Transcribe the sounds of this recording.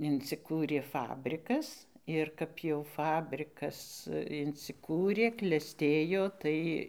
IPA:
ɪnʲt͡sʲɪˈkuːrʲeː ˈfɑːbʲrʲɪkɐs ɪr ˈkɐp jɛʊ ˈfɑːbʲrʲɪkɐs ɪnʲsʲɪˈkuːrʲeː klʲɛˈsʲtʲeːjoː ˈtɐɪ

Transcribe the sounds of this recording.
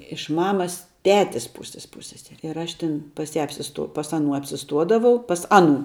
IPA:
ɪʃ ˈmɑːmɐs ˈtʲæːtʲɪs ˈpuːsʲɪs ˈpuːsʲsʲɛsʲɛrʲɪ ɪr ˈɐʃ ˈtʲɪn pɐs ˈjæː ɐpʲsʲɪˈstuɔ pɐs ɐˈnuː ɐpʲsʲɪˈstuɔdɐʋɐʊ pɐs ˈɑːˌnuː

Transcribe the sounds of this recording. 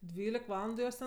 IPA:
ˈdʲʋʲiːlʲɪk ˈʋɑːlˠɐndʊ ˈjoːs tʲɛn

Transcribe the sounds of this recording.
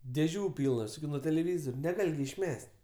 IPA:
dʲeːˈʒʲuː ˈpʲiːlˠnɐs ɪ nuɔ tʲɛlʲɛˈʋʲiːzoːrʲɛ nʲɛˈɡɐlʲ ɡʲɪ ɪʃʲˈmʲɛsʲtʲ

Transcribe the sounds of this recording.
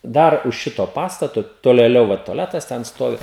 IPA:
ˈdɐr ʊʃ ˈʃʲɪtoː ˈpɑːstɐtoː toːlʲeːˈlʲɛʊ ˈʋɐ toːˈlʲæːtɐs tʲɛn ˈstoːʋʲɪ

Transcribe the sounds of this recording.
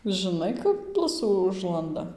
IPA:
ʒɨˈnɐɪ kɐp ˈblˠʊsuː ˈʊʒlˠɐndɐ

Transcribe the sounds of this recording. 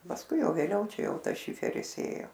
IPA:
pɐsˈkʊɪ ˈjɛʊ ʋʲeːˈlʲɛʊ ˈt͡ʃʲɛ ˈjɛʊ ˈtɐs ˈʃʲɪfʲɛrʲɪs ˈeːjoː

